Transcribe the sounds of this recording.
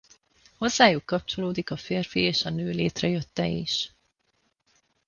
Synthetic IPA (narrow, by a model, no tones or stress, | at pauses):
ho̞zːaːjukːɒp̚t͡ʃo̞loːd̪ikɒfeːrfieːʃɒnøːleːt̪rɛjø̞t̪ːɛ̰ḭʃ